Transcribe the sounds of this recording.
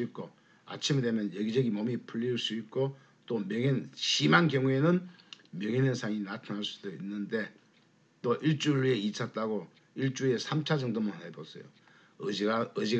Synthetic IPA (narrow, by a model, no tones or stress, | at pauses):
it̚k͈o | a̰t͡ɕʰimdemjʌnjeɡid͡ʑʌɡimʌmipʰuʎːiɭs͈uit̚k͈o | t͈omjʌŋinɕimankjʌŋue̞nɯn | mjʌŋinensʰaŋinatʰanaɭs͈u̥d̥oinːɯnde̞ | t͈oʔiɭt͡ɕ͈uiɭe̞it͡ɕʰat̚t͈aɡo | iɭt͡ɕ͈ue̞sʰamt͡ɕʰad͡ʑɯŋdomonɦebos͈ʰʌjo̰ | ɯd͡ʑi